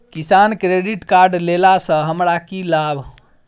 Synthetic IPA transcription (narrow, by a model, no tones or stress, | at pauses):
kisankɾeɖiʈkaɾɖlelasə̃ɦəmɾakilabʱ